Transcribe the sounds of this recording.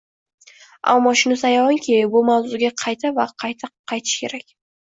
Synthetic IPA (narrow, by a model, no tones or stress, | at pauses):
a̰mːɒʃʊnɪsajawɒŋkʲʰeɪbʊmawzʊɡʲaqʰɑjt̪ʰavaqʰɑjt̪ʰaqʰːɑjt̪ʰɪ̥ʃkʲʰe̞ɾakʲ